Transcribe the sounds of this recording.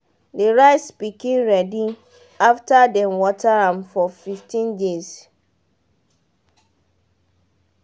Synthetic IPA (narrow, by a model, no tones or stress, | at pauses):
deɹaɪsb̥ikʰẽmɹɛdi | aftʰadɛ̃nwɔtʰaãmfɔfiftʰĩndes